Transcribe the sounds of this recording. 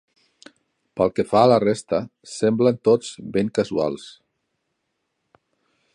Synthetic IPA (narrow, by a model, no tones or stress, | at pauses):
pəlˠkefaːlərest̪əsɛmblənt̪od͡zbeŋkəzua̰lˠs